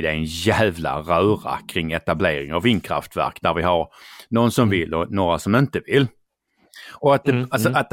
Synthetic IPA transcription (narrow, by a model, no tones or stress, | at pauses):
d̪ɛɛnjæːvla̰ɾœːɾa̰kʰɾɪŋːɛt̪ableːɾɪŋavːɪnːkʰɾa̰ft̪væ̰ɾknæɾvɪɦaɾnɔnsɔmvɪlːɔnoːɾasɔmɪnt̪əvɪlː | ɔat̪̚d̪ɛasɔat̪̚d̪